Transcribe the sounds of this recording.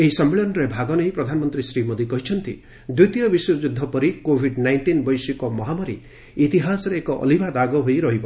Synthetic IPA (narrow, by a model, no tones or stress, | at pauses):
eɦisɔmːeɭɔnɔɾebʱaɡɔneɦipɾɔd̪ʱanɔmɔnt̪ɾisɾimod̪ʱikɔɦit͡ʃʰɔnt̪ḭ | d̪ujt̪iɾɔbisjɔd͡ʒud̪ʱːɔpɔɾikobʱiɖnajnʈinbɔjsikɔmɔɦamɔɾiː | t̪iɦasɔɾeːkɔʔɔ̰libʱad̪aɡɔɦojɾɔɦibɔ